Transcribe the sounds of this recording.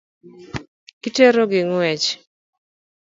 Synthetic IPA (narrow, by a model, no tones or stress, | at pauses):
kiteɾoɡɪŋɛt͡ʃ